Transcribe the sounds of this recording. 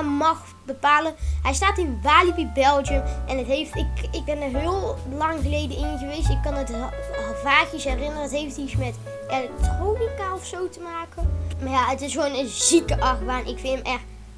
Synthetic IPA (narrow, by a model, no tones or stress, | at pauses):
mɑx | bəpaːləɦɛjstaːtɪnʋaːlibibɛlˠd͡ʒəmʔɛnətɦejftɪkɪɡ̚bɛndəɹɦɪəlˠlɑŋɣəlejdəɪnɣəʋejstɪkkːɑndətvaːxisɦɛrɪnərəətɦejftismɛt | ʔelɛk̚troːnikaɔfsowtəmaːkənmaːjaətɪsɣoːnəzikəʔɑxbaːnʔɪkfɪnəmʔɛx